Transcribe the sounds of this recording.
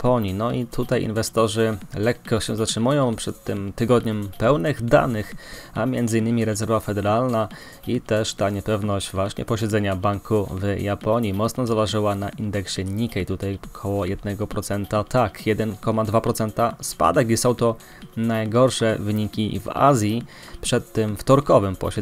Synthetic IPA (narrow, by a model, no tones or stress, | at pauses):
pʰɔɲinɔit̪ʰut̪ajḭnvɛst̪ɔʐɘlɛkːɔɕɛzatʂɘmujɔ̃w̃pʂɛt̪ːɘmt̪ɘɡɔd̪ɲɛmpɛwnɘɣd̪a̰nɘxamʲjɛnd̪zɘinːɘmʲiɾɛzɛɾvafɛd̪ɛɾalna | it̪ɛʂt̪aɲɛpɛvnɔɕd͡ʑvwaɕɲɛ̰pɔɕɛd̪zɛɲabaŋkʰuvjapɔɲimɔt̪snɔzavaʐɘwanaʔind̪ɛkɕɛɲikɛit̪ut̪ajkʰɔwɔjɛd̪̚nɛɡɔpɾɔt̪sɛnt̪at̪ʰakjɛd̪ɛnkɔmad̪vapɾɔt̪sɛnt̪aspa̰d̪ɛkisɔ̃w̃t̪ɔ | najɡɔɾʂɛvɘɲikʲḭva̰zʲji | pʂɛt̪ːɘmft̪ɔɾkɔvɘmpɔ̰ɕɛ